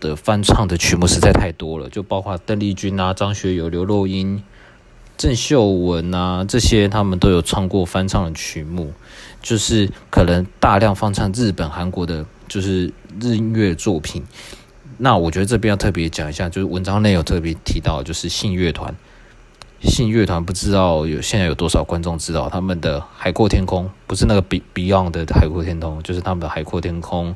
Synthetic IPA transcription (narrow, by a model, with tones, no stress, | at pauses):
d̪̥ə˩fa˥nt͡sʰɑ˥˩ŋd̪ə˩t͡ɕʰy˧˥mu˥˩ʂɻ̩˧˥t͡sʰa˥˧ɪt̪ʰa˥˩ɪt̪wɔ˥lə̰˨t͡ɕjo˥˧ʊpɑ˥ʊkʰwa˥˧t̪ə˥˧ŋli˥˩t͡ɕy˥na˨ʈ͡ʂɑ˥ŋɕɥɛ˧˥jo˨˩ʊljo˧˥ʊlo˥˩ʊi˦n | ʈ͡ʂə˥˧nɕjo˥˨˩ʊwə˧˥na˨ʈ͡ʂɤ˥˩ɕjɛ˥t̪ʰa˥mə˨nt̪o˥ʊjo˨˩ʊt͡sʰwɑ˥˧ŋkwɔ˥˩fa˥nt͡sʰɑ˥˩ŋd̪ə˩t͡ɕʰy˧˥mu˥˩ | t͡ɕjo˥˧ʊʂɻ̩˥˩kʰɤ˨˩nə˧˦ŋt̪a˥˧ljɑ˥˧ŋfɑ˥ŋt͡sʰa˥˧ŋɻɻ̩˥˩pə˨˩nxa˧˦nkwɔ˧˥d̪ə˧ | t͡ɕjo˥˧ʊʂɻ̩˥˧ɻ̩˥˧i˥nɥɛ˥˧t͡swɔ˥˩pʰi˨˩n | na˥˩wɔ˨˩t͡ɕɥɛ˧˥d̪ə˧ʈ͡ʂɤ˥˩pjjʊt̪ʰɤ˥˩p̬jɛ˧˥t͡ɕjɑ˨˩ŋi˧˥ɕja˥˧t͡ɕjo˥˧ʊʂ̩˥˩wə˧˦˥nʈ͡ʂɑ˥ŋne˥˧ɪjo˨˩ʊt̪ʰɤ˥˩pjɛ˧˥t̪ʰi˧˥t̪ɑ˥˩ʊt͡ɕjo˥˧ʊʂɻ̩˥˧ɕi˥˧nɥɛ˥˩t̪ʰwa̰˧˦n | ɕi˥˧nɥɛ˥˩t̪ʰwa˧˥npu˧ʈ͡ʂɻ̩˥t̪ɑ˥˩ʊjo˨˩ʊɕɛ˥˧nt͡sjo˨˩ʊt̪wɔ˥ʂɑ˨˩ʊkwa˦nʈ͡ʂʊ˥˨˩ŋʈ͡ʂɻ̩˥t̪ɑ˥˩ʊt̪ʰa˥mə˨nd̪ə˩xa˨˩ɪkʰwɔ˥˧t̪ʰjɛ˥nkʰʊ˥ŋpu˧˥ʂɻ̩˥˧na˥˩ɡə˩˨˧pi˧˥ɑ˥˩ŋd̪ə˩xa˨˩ɪkʰɔ˥˩t̪ʰjɛ˥nt̪ʰʊ˥ŋt͡ɕjo˥˧ʊʂɻ̩˥˩t̪ʰa˥mə˨nd̪ə˩xa˨˩ɪkʰwɔ˥˩t̪ʰjɛ˥nkʰʊ˥ŋ